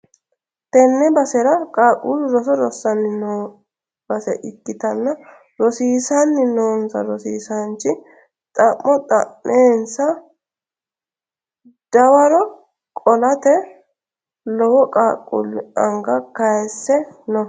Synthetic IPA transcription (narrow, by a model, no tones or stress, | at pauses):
t̪ɛnːɛbɐsɛɾɐkʼaːkʼːulɾɔs̬ɔɾɔsːɐnːɪnoː | b̥ɐsɛ̰ʔɪkːɪt̪ɐnːɐ | ɾɔsiːsɐnːɪnoːnsɐ̰ɾɔsiːsɐnt͡ʃːɪ | t̪ʼɐmːɔt̪ʼɐ̰mːeːnsɐ | d̪̥ɐwɐɾɔ | kʼɔlɐt̪ɛ | lɔwɔkʼaːkʼːṵlɐŋɡɐkɐjɛsːɛnɔ